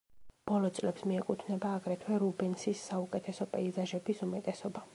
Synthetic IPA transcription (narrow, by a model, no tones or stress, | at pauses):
b̥ɔlˠɔt̪sʼlɛpsmiɛkʼut̪ʰvnɛbaːɡɾɛt̪ʰwɛɾubɛnsisːaukʼɛt̪ʰɛsɔpʼɛizaʒɛbisumɛt̪ʼɛsɔba